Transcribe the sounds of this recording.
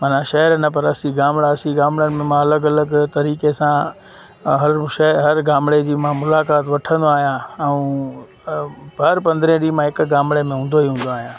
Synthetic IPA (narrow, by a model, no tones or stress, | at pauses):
mɐnãʃɐɦɾnɐpɐɾɐsiɡaːmɽaɐsiɡaːmɽjənɪ̆mẽmãɐləɡɐləɡt̪ɐɾiːkesã | ɦɐɾʃɐɦɐɾɡaːmɽed͡ʑiːmãmʊlaːkaːt̪ʋɐʈʰə̃nd̪oaːɦijãɛũ | bʱɐɾpɐ̃nd̪ɾẽɗiːmãɦɪkɡaːmɽemẽɦũːnd̪oiɦũːn̆d̪oaːɦijãː